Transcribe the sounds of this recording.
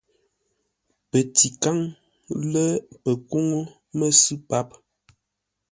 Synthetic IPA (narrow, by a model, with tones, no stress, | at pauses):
pə˨ti˨ka˦ŋ | lə˦pə˨ko˦ŋo˦ | mə˦sɨ˦pa˦p̚